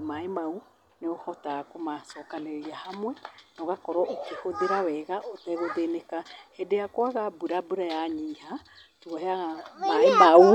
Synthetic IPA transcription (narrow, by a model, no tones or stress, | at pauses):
maemau | neohɔtakomasɔkaleiahamwɛnɔɣakɔɾɔʔokehoðeɾaβɛɣaʔotɛɣodenekahedeakoaɣabuɾabuɾajaɲiːha | tuoɦeaɣamaenau